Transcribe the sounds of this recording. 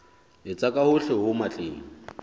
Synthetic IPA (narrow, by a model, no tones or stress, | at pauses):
ɪt͡sʼakʼahʊɬɛɦʊmat͡ɬʼeːŋ̩